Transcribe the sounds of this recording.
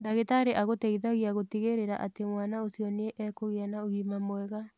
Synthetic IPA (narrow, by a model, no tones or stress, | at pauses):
daɣetaɾeʔaɣotɛiðaɣiaɣotiɣeɾeɾa̰ʔatemwanaosiɔneʔɛːkoɣeanaoɣiːmamwɛɣa